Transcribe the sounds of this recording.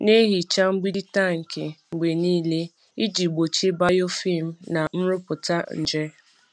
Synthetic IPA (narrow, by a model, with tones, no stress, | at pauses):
ne˦ɦi˨t͡ʃa˦ŋ͡m̩˦ɡ͡bi˦i˦ta˦˨ŋ̩˨kʰe˨ŋ͡m̩˨ɡ͡be˨niː˦le˦ | i˦d͡ʒi˨ɡ͡bo˨t͡ʃe˦ba˦jo˦fi˦˨m̩˨na˨n̩˦ɾʊ˦pʊ˨ta˦n̩˨d͡ʒe˦